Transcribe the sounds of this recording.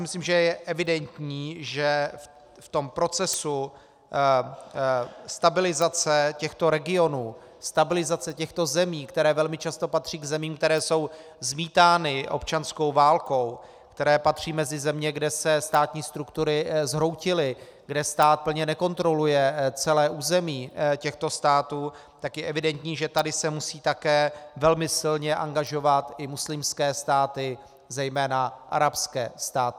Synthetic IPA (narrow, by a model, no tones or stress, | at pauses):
amɪsliːmʒɛjɛʔɛvɪdɛnt̪ɲiːʒɛ | ft̪o̞mpɾo̞t͡sɛsu | st̪abɪlɪzat͡sɛcɛxt̪o̞ɾɛɡɪo̞nuː | st̪abɪlɪzat͡sɛcɛxt̪o̞zɛmiːkt̪ɛɾɛːvɛlmɪt͡ʃast̪o̞pat̪r̥iːɡzɛmiːmk̚t̪ɛɾɛːso̞w | zmiːt̪aːnɪʔo̞̰pt͡ʃansko̞wvaːlko̞w | kt̪ɛɾɛːpat̪r̝̥iːmɛzɪzɛmɲɛɡdɛsɛst̪aːt̪ɲiːst̪ɾukt̪uɾɪzɦɾo̞wcɪlɪ | ɡdɛst̪aːt̪̚pl̩ɲɛnɛko̞nt̪ɾo̞lujɛt͡sɛlɛːʔuːzɛmiːcɛxt̪o̞st̪aːt̪uː | t̪akjɛʔɛvɪdɛnt̪ɲiːʒɛt̪adɪsɛmusiːt̪akɛːvɛlmɪsɪlɲɛʔa̰ŋɡaʒo̞vat̪ɪmuslɪmskɛːst̪aːt̪ɪ | zɛjmɛːnaʔa̰ɾapskɛ̰ːst̪aːt̪ɪ